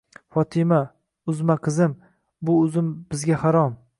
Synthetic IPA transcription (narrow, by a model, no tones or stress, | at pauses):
fɒt̪ʰɪma | ʊzmaqʰɨzɪm | bʊʊzɪmbɪzɡʲahaɾɒm